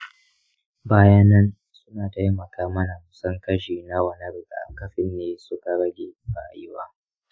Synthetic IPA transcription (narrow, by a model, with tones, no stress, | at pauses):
baː˦ja˦nɐ˦n | sʊ˦naː˨tɐ˦jmɐ˨kʰaː˦mɐ˦na˨mʊ˨sɐ˦ŋkɐ˦ʃiː˨na˦wɐ˨nɐ˦rɡa̰˨kɐ˦ɸɪ˨nːeː˦sʊ˦ka˨ɾɐ˦ɡʲeː˨ɸa̰ː˨jɪ˦waː˦